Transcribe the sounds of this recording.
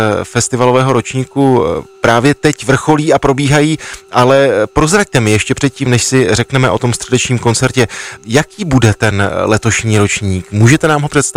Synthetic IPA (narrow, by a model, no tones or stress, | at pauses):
fɛst̪ɪvalo̞vɛːɦo̞ɾo̞t͡ʃɲiːkupɾaːvjɛt̪ɛcvr̩xo̞liːapɾo̞biːɦajiːʔalɛpɾo̞zɾac̚t̪ɛmɪjɛʃcɛpr̝̥ɛt̪̚ciːmnɛʃsɪrɛknɛmɛʔo̞t̪o̞mst̪r̥ɛdɛt͡ʃɲiːmko̞nt͡sɛɾcɛjakiːbudɛt̪ɛnlɛt̪o̞ʃɲiːɾo̞t͡ʃɲiːkmuːʒɛt̪ɛnaːmɦo̞pr̥ɛt̪st̪